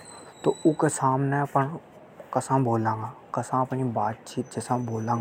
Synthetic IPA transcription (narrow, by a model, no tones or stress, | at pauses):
t̪oːʊkesaːmneɐpən | kɐsãboːlãːŋɡa | kɐsãɐpnibaːd̪t͡ʃiːt̪̚d͡ʒɛːsãboːlãːɡ